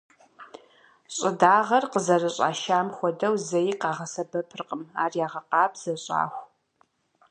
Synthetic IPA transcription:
ɕʼɪdaːʁɐrqəzɐrɐɕʼa̰ːʃaːmxʷɔdɐwzɐjiːqɑːʁɐsɐbɐpʰɨrqʼəma̰ːrjaːʁɐqɑːbz̥ɐɕʼa̰ːxʷ

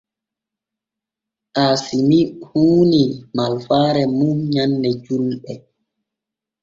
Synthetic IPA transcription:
ʔaːsimihuːnimalfaːɾɛmumɲanːdɛd͡ʒulɓɛ

